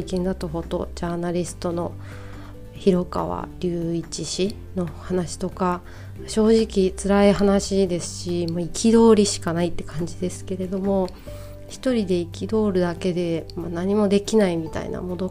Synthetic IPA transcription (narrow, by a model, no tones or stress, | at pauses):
ikẽ̞nd̪at̪aɦo̞t̪o̞̰ʑaːnaɾʲisɨ̥t̪o̞no̞ | çiɾo̞ka̰βa̰ɾʲɨːit͡ɕiɕi | no̞hanaɕi̥t̪o̞ka | ɕo̞ːʑikʲit͡sɨɾaiɦanaɕid̪e̞sɨ̥ɕimoikʲid̪o̞ːɾʲiɕi̥kanait̪ːe̞kãɲ̟d͡ʑid̪e̞sɨ̥ke̞ɾe̞d̪o̞mo̞ | çi̥t̪o̞ɾʲid̪e̞ikʲid̪o̞ːɾɯ̟d̪ake̞d̪e̞manaɲ̟imo̞d̪e̞kʲinaimʲit̪a̰ḭna̰mo̞no